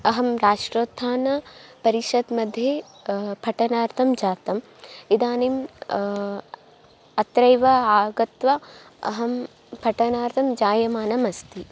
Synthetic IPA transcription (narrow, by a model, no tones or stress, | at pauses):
ɐɦɐmɾaːʂʈɾoːt̪ʰːaːnɐpɐɾiʃɐd̪mɐd̪ʱje | pʰɐʈɐnaːɾt̪ʰɐmd͡ʒaːt̪ɐm | id̪aːnim | ɐt̪ɾɐjʋɐaːɡɐt̪ʋɐ | ɐ̰ɦɐm | pʰɐʈɐnaːɾt̪ʰɐmd͡ʒaːjɐmaːnɐmɐst̪i